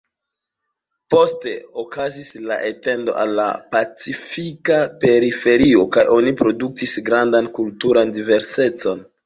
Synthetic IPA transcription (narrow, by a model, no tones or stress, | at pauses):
po̞ste̞okazisla̰ʔete̞ndo̞̰ʔa̰lːa̰pat͡sifikape̞ɾife̞ɾio̞kajʔo̞nipɾo̞duk̚tisɡɾandankultuɾandive̞ɾse̞t͡so̞n